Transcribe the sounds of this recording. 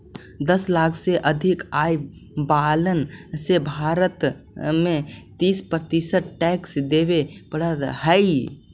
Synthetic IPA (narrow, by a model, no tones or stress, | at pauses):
d̪əslaːkʰseʔəd̪ʱɪkai | balənsebʱaɾət̪ | mẽt̪iːspəɾt̪isəʈʈɛksd̪ebepəɽ̤ət̪həj